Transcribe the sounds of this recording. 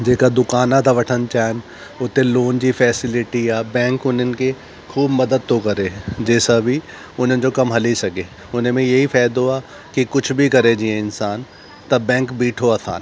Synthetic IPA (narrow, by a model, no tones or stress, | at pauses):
d͡ʒeːkad̪ʊkaːnãt̪ʰaʋɐʈʰənt͡ʃaːn | ʊt̪ẽloːnd͡ʑifʰɛːsɪlɪʈiaːbɛ̃ːŋkʊnənɪ̆ke | kʰuːbmɐd̪əd̪̚t̪okɐɾeːd͡ʒeːsabʱi | ʊn̤ənɪ̆d͡ʑokɐmɦɐlisɐɡeː | ʊn̤mẽjɐɦifʰɛːd̪oaː | kikʊt͡ʃʰbʱikɐɾed͡ʒiẽɪnsaːn | t̪ɐbɛ̃ːŋkbiːʈʰoɐsʰa̰ːn